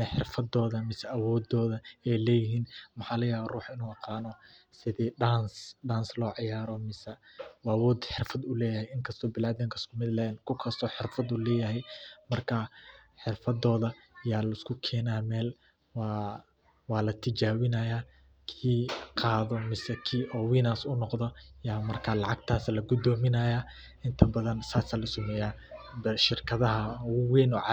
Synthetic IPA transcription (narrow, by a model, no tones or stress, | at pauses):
nɐħɪrfɐd̪ɔːðɐmɪsɛʔɐwɔːd̪ɔːðɐɛjlɛːjɪɦiːnmɐħɑːlɐjaːβːruːħɪnuːɑqɑːnɔ | sɪðɛːɖaːnsɖaːnslɔːʕɑjaːɾɔmɪsɐwːɐwɔːd̪ħɪrfɐd̪ʊlɛːjɐhɛjɪŋkʰɐst̪ʰɔːbɪlaːðɪŋkʰɐskʰʊmɪd̪lɛːnkʰʊkʰɐst̪ʰɔːħɪrfɐd̪ulɛːjɐɦɛjmɐrkʰɐħɪrfɐd̪ɔːðɐ | jaːlɐɪskʰʊkʰɛːnaːmɛːl | wː | wɑːlɐt̪ʰɪd͡ʒaːwɪnɐjaː | kʰiːqɑːðɔmɪsɛkʰiːʔɔːwiːnaːsʊnɔqðɐjaːmɐrkʰaːlɑʕɑɡ̚t̪ʰaːslɐɡʊd̪ɔːmɪnɐjaː | ʔɪnt̪ʰɐbɐðɐnsaːsaːlɐsʊmɛjaːbɐʃɪrkʰɐðɐɦɐwɛːnɔːʕɑ